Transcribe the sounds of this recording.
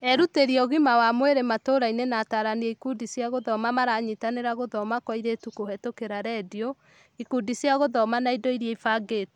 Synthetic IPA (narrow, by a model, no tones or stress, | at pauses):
ɛɾuteɾiɔɣimawamweɾematoːɾainenataːɾaniɛikudisjaɣoðɔmamaɾaɲitaneɾaɣoðɔmakwɔiɾetukohɛtokeɾaɾɛdio | ikudisjaɣoðɔmanaidoiɾjaifaɡeto̥